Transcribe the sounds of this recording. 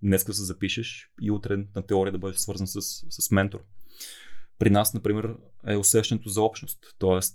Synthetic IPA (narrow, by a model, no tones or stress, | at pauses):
nɛskəd̪ɐsɛzɐpiʃəʃiut̪ɾɛnɐt̪ɛɔɾiəd̪ɐbɤd̪ɛʃsvɤɾzənsəsːɐsmɛnt̪oɾ | pɾinasnɐpɾimɛɾɛʊsɛʃt̪ɛnɛt̪ozɐɔpʃnost̪ːɔɛst̪